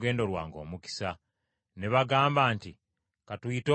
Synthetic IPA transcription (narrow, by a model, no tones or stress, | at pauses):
ɡe̞ːndo̞ɾwa̰ːŋɡo̞ːmuki̥sa | neβaɡaːmbaːnti | katuito